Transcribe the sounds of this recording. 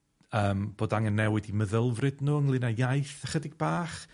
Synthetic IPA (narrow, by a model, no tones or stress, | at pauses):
əːmb̥oːdaŋənːɛwɪdiməðəlˠvrɨdnuːəŋlˠɪnajajθəχədɪɡ̚baːχ